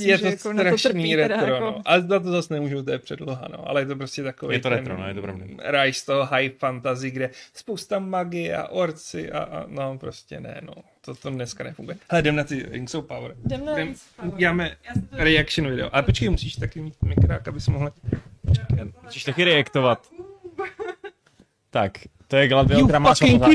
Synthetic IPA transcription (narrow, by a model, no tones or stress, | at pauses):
jɛt̪oɾaʃniɾɛt̪ɾonoʔad̪at̪̬ozasnɛmuːʒowt̪̬ojɛpr̝̥ɛdloɦa̰no̞̰ʔa̰lɛjɛt̪op̬ɾoscɛt̪akovejɛjt̪oɾɛɾo̰n̰jɛt̪opɾoviɾajʃst̪oɦoɦajfant̪azɪɡdɛspowst̪amaɡɪa̰ʔoɾt͡sɪʔa̰ʔanopɾoscɛ̰nɛ̰no̰t̪ot̪odnɛskanɛfuŋɡujɛhlɛdɛmnat̪ɪɾɪ̰ŋksowpawɾddɛm | uɟɛaːmɛɾɛakʃɪnuvɪdɛ̰oʔalɛpot͡ʃkajmusiːʃt̪akɪmiːt̪̚mɪkɾaːkabɪsɛmoɦlpot͡ʃkmusiːʃt̪akɪɾɛjakt̪ovat̪ | t̪akt̪ojɛɡladɪɾaːma